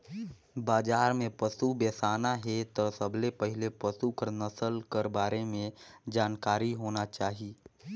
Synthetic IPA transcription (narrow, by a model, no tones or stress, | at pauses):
baːd͡ʒaːɾmẽpəsubeːsaːnaɦɛt̪ɔsəɐbʱlepəɦɪlepəsukəɾnɐsəlkəɾbaːɾemẽd͡ʒaːnkaːɾiɦoːnat͡ʃaːɦii